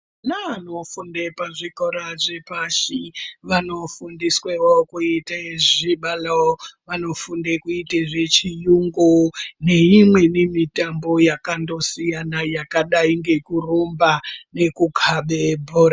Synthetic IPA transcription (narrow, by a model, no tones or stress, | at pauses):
nanofundepaʐikoɾaʐepaʃiʋano̞fundiswewokuitaʐiɓalaʋano̞fundekuiteʐet͡ʃijuŋɡone̞imwe̞nemitambo̞jakando̞sijanajakaɗaiŋɡe̞kurombane̞kukʰaɓebʱoːɾa